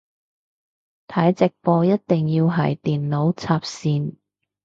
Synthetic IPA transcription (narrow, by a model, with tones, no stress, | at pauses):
t̪ʰɐ˨˥jt͡sɪ˨k̚fɔː˧jɐ˥t̚t̪ɪ˨ŋjiː˧wɦɐ̰˨jt̪iː˨˩nlo˨˥wt͡sʰaː˧p̚siː˧n